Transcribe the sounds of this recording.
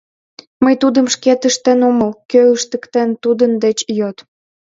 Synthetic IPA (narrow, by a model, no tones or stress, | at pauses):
məjt̪ud̪əmʃket̪əʃt̪enoməlkøləʃt̪əkt̪ent̪ud̪ənd̪et͡ɕjøt̪